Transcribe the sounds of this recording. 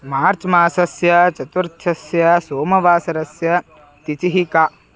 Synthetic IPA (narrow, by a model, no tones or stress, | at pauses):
maːɾt͡ʃmaːsɐsjɐt͡ʃɐt̪uɾt̪ʰʃʰɐsjɐsoːmɐʋaːsɐɾɐsjɐ | t̪it͡ʃiɦika